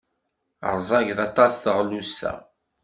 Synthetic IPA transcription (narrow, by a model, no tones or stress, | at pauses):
ə̰ɾˤzˤɑʝðɑt̪ˤɑsθəʁlusθæ̰